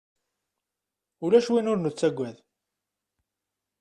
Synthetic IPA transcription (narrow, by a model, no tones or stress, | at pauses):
ulæʃwinʊɾnət͡sːæɡʷːæð